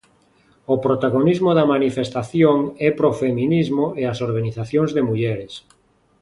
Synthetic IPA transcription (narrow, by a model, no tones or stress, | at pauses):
opɾot̪aɣonizmoðɐmanifest̪aθjoŋɛpɾofemĩnizmoeasoɾɣaniθaθjoŋzðemuʎɛɾes